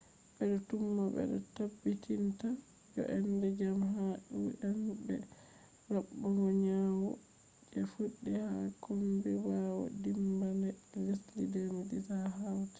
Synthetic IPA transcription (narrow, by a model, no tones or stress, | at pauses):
ɓɛdɔtumːabɛ̰dɔtabːitʰinta | d͡ʒɔ̰ʔɛndɛd͡ʒamɦaʔuʔanbɛ̰ | ɾabːɔmɔɲawɔ | d͡ʒɛfuɗːihakɔmbɛbawɔ̰dimbandɛlislidemiditaɦawti̥